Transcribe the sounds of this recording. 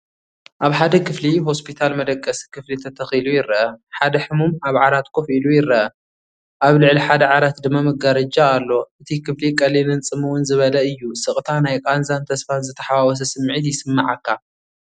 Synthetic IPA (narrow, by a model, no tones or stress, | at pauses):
ʔaβħad̪ɐkʰɨfliho̞spʰit̪ʰalmɐd̪ɐkʼːɐsikʰɨflit̪ʰɐt̪ʰɐxilujɪɾːɐʔɐħad̪ɐħɨmumaβʕaɾat̪kʰofilujɪɾːɐʔɐ | ʔaβlɨʕliħad̪ɐʕaɾat̪d̪ɨmːamɐɡaɾɐd͡ʒaːlːo̞ʔɨt̪ʰikʰɨflikʼɐlinɨnt͡sʼɨmɨwʊnzɨβɐlɐɨjːusɨχʼt̪ʰanajkʼanzant̪ʰɐsfanzɨt̪ʰɐ̥ħawawɔs̬ɐsɨmːʕɨt̪jɪsɨmːaʕakʰːa